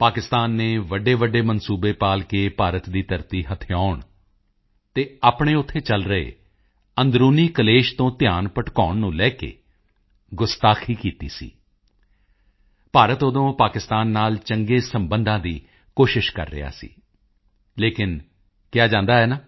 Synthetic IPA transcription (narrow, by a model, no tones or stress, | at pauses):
paːkɪst̪aːnːeːʋəɖeːʋəɖːeːmənsuːbeːpaːlkeːpaːɾət̪d̪iːt̪əɾt̪iːɦət̪ʰɪjaːʊɳ | t̪eːaːpɳ̃eːʊt̪ʰːeːt͡ʃəlɾəḛː | ənd̪ɾuːniːkəleːʃt̪õːt̪ɪjaːnpəʈkaːʊɳnũːlɛːkḛː | ɡʊst̪aːkʰiːkiːt̪ḭːsḭː | paːɾət̪ʊd̪õːpaːkɪst̪aːnːaːlt͡ʃəŋɡeːsəmbənd̪ãːd̪iː | koːʃɪʃkə̰ɾːɪ̰ja̰ːsḭː | leːkɪn | kɪjaːd͡ʒãːnd̪aːɦɛːnaː